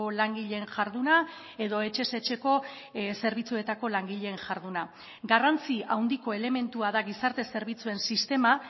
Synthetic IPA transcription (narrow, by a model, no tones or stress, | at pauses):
olaŋɡiʎe̞ːŋʝaɾðuna | e̞ðo̞e̞t͡ʃe̞se̞t͡ʃe̞ko̞ | se̞ɾβ̞it͡sue̞t̪ako̞laŋɡiʎe̞ːnʝaɾðuna | ɡarant͡siawnd̪iko̞e̞le̞me̞nt̪uaðaɣisaɾt̪e̞se̞ɾβit͡sue̞nsist̪e̞ma